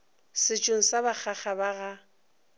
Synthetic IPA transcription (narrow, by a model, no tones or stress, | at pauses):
sɪt͡ʃʼoŋ̩sabak͡xʰaχabaɣa